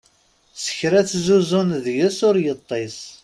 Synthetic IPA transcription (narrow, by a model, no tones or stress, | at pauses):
sə̥çɾæt͡sːzuzʊnðʝəsʊɾjət̪ˤːes